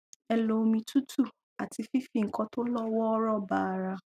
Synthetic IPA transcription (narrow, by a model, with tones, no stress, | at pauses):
ɛ˧lo˧mĩ˧tu˦tʰu˦˨ | a˨ti˧fi˦fĩ˦˨ŋ̩˨kɔ̃˧to˦lɔ˦wɔ˦ɔ˦ɾɔ˦˨ba˦˧ɾa˧